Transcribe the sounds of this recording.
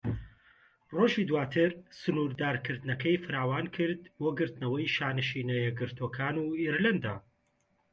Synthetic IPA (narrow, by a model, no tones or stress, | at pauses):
roʒiːd̪waːt̪ʰɨɾsɨnuɾd̪aːɾkʰɨɾd̪nɐkɐjfɨɾaːwaːnkʰɨɾd̪boːɡɨɾt̪nɐwɐjʃaːnɨʃinɐjɛɡɨɾt̪ʰokʰaːnuːeɾland̪a̰